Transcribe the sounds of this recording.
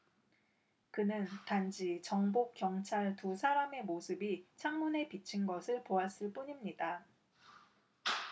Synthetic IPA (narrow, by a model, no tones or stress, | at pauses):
kɯnɯntand͡ʑʰit͡ɕʌŋbokk͈jʌŋt͡ɕʰaɭtusʰaɾame̞mosʰɯbit͡ɕʰaŋmune̞pit͡ɕʰinɡʌsʰɯɭpoas͈ɯɭp͈uɲimɲida